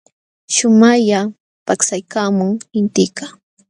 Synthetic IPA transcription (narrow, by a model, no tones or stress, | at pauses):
ʃʊmaʎa | paksajkaːmʊŋɪnt̪ɪka